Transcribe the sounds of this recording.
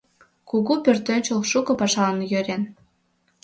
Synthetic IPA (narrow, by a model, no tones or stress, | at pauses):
kuɣupørt̪ønʲt͡ɕolʃukɤ̆pɑʃɑnjøɾen